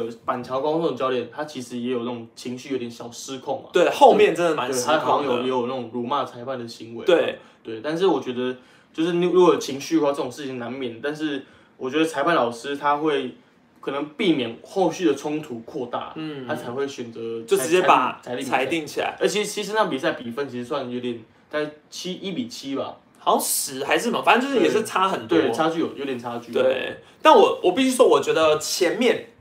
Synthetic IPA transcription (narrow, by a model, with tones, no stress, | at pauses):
pa˨˩nt͡ɕʰjɑ˧˥ʊka˥˦nʰo˥˩t͡ɕjɑ˥ʊljɛ˨˩˦nt̪ʰa˥t͡ɕʰi˧˥ʂɻ̩˧˥jɛ˧˥jo˨˩na˥˩ʈ͡ʂʊ˨˩ŋt͡ɕʰi˧˥ŋɕy˥˩jo˧˥t̪ʰjɛ˨˥nɕjɑ˨˩ʊʂɻ̩˦kʰʊ˥˩ŋma̰˨t̪we˥˩xo˥˧ʊmjɛ˥˨nʈ͡ʂə˦nd̪ə˨˩ma˧˦˥a˥ɑ˨˦ɑ˥ŋjo˨˩ʊjɛ˧˦˥jo˨˩ʊna˥˩ʈ͡ʂʊ˨˩ŋɻɔ˧˥ma˥˩t͡sʰa˧˥ɪpa˥˩nd̪ə˩ɕi˧˥ŋwe˧˦we˥˩ɪt̪we˥˩ɪt̪a˥˧nʂ̬ɻ̩˥˩wɔ˨˩t͡ɕɥɛ˧˥d̪ə˧ | t͡ɕjo˥˧ʊʂɻ̩˥˩n˥ɻu˧˥kt͡ɕʰi˧˥ŋɕy˥˧wa˥˧ʈ͡ʂɤ˥˩ʊ˨˩ŋʂɻ̩˥˩t͡ɕʰi˨˩ŋna˧˥nmjɛ˨˩nə˩t̪a˥˧nʂɻ̩˥˩ | wʔɔ˨˩t͡ɕɥɛ˧˥d̪ə˧t͡sʰa˧ɪpa˥˩nlɑ˨˩ʊʂɻ̩˥t̪ʰa˥xwe˥˩ɪ | kʰɤ˨˩nə˧˦ŋpi˥˩mjɛ˨˩nxo˥˧ʊɕy˥˩d̪ə˩t͡sʰʊ˥ŋt̪ʰu˧˥kʰwɔ˥˧t̪a̰˥˩nʰ˥˩a˥t͡sʰa˧˥ɪxwe˥˩ɪɕɥɛ˨˩nt͡sɤ˧˦jo˥˩ʊʈ͡ʂɻ̩˧˥t͡ɕjɛ˥pa̰˨˩t͡sʰa˧ɪt̪i˥˨t͡sʰa˧˥ɪt̪i˥˩ŋt͡ɕʰi˨la̰˧˦ɪə˧˥t͡ɕʰi˧˥t͡ɕʰi˧˥ʂ̬ɻ̩˧˥na˥˩pi˨˩sa˥˩ɪpi˨˩fə˥˧nt͡ɕʰi˧˥ʂ̩˧˥swa˥˩n˨jo˧˥ʊjɛ˨˩n | t̪a˥˧nʂ̩˥˩t͡ɕʰi˥ʔi˥pi˨˩t͡ɕʰi˦ba̰˨ | xɑ˧˥ʊʂɻ̩˧˦xa˧˥ɪʂ̬ɻ̩˥˩ma˨˩fa˨˩ə˥˧nt͡ɕo˥˧ʊʂ̩˥jɛ˨˩ʂɻ̩˥˩t͡sʰa˥xə˨˩nt̪we˥˧˨t͡sʰa˥t͡ɕy˥˩jo˨˩jo˧˦ʊjɛ˨˩nt͡sʰa˦˥t͡ɕy˥˨t̪we˥˩ɪt̪a˥˩nwɔ˨˩wɔ˨˩pi˥˩ɕy˥ʂwɔ˥˩wɔ˨˩t͡ɕɥɛ˧˥d̪ə˧t͡ɕʰjɛ˧˥nmjɛ˥˨n